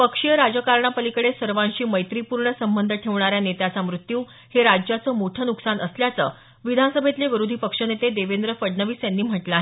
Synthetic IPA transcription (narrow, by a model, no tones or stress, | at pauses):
pəkʂijəɾad͡zəkaɾɳapəlikəɽesəɾʋãnɕiːməjt̪ɾipuɾɳəsəmbənd̪ʱəʈʰeʋɳaɾjanet̪jat͡samɾut̪juː | heɾad͡ʑjat͡səːmoʈʰənuksanəsljat͡sə̰ː | ʋid̪ʱansəbʱet̪leʋiɾod̪ʱipəkʂənet̪ed̪eʋend̪ɾəfəɽɳəʋiːsjanːiːm̤əʈlaɦe